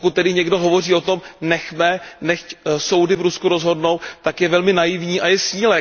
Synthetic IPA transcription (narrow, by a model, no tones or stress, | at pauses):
kut̪̚t̪ɛdɪɲɛɡdo̞ɦovo̞riːo̞t̪o̞mnɛxmɛnɛxcso̞wdɪvɾuskuɾozɦo̞dno̞wt̪akjɛvɛlmɪnajɪvɲiːʔajɛsiːlɛ